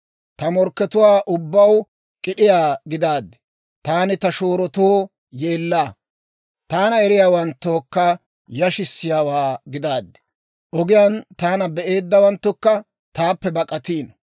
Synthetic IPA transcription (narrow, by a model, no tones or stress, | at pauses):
t̪ɐmɔɾkːɛt̪ʊwaːʔʊbːɐw | kʼɪɗɪjaːɡɪd̪aːd̪ːɛ̥ | t̪aːnɪt̪ɐʃoːɾɔt̪oː | je̞ːlːaː | t̪aːnɐɛɾɪjaːwɐnt̪ːoːkːɐ | jɐʃɪsːɪjaːwaːɡɪd̪aːd̪ːɛ̥ | ʔɔɡɪjant̪aːnɐbɛʔe̞ːd̪ːɐwɐnt̪ːʊkːɐ | t̪aːpːɛbɐkʼːɐt̪iːn